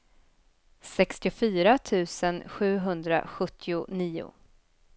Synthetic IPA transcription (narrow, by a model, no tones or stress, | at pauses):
sɛkst̪ɪʊfyːɾat̪ʰʉ̟ːsənɧʉ̟ːɦɵnd̪ɾa̰ɧɵt̪ʰːɪʊniːʊ̰